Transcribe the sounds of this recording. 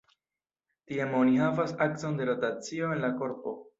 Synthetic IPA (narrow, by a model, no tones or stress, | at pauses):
tiamo̞nihavasak̚so̞nde̞ɾotat͡sio̞e̞nlako̞ɾpo̞̰